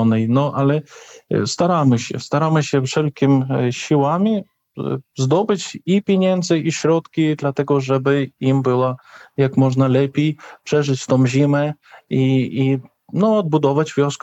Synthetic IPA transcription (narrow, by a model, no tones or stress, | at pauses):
ɔnɛjnɔʔalɛst̪aɾamɘɕɛ̰st̪aɾamɘɕɛfʂɛlkʲimɕiwamʲi | zd̪ɔbɘt͡ɕipʲjeɲɛnd̪zɘʔiɕɾɔt̪kʲid̪lat̪ɛɡɔʐɛbɘimbɘwajakmɔʐnalɛpʲejpʂɛʐɘt͡ɕt̪ɔ̃w̃ʑimɛ | ii | nɔɔd̪̚bud̪ɔvad͡ʑvʲjɔsk